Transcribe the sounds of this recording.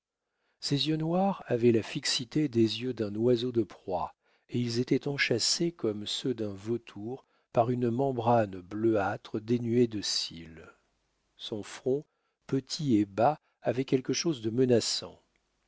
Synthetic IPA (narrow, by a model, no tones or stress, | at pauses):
sezjønwaʁavɛlafiksit̪ed̪ezjød̪ɛ̃nwazod̪əpχwa̰ | eilzet̪ɛt̪ɑ̃ʃasekɔmsød̪ɛ̃vot̪ʰuʁ | paʁynmɑ̃bʁanbløat̪χəd̪enyed̪əsil | sɔ̃fχɔ̃ | pət̪ʰieba | avɛkʲɛlkəʃozd̪əmənasɑ̰̃